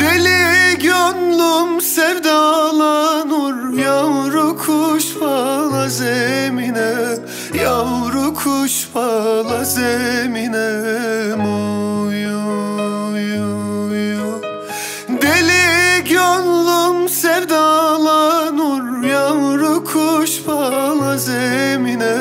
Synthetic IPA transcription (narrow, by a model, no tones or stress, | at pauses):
d̪eliɟønlˠumsɛvd̪alˠanuɾjawɾukʰuʃfalˠazɛminɛ | jawɾukʰuʃfalˠazɛminɛnuju | juju | d̪eliɡønlˠumsɛɾd̪alˠanuɾjawɾukʰuʃfalˠazɛminɛ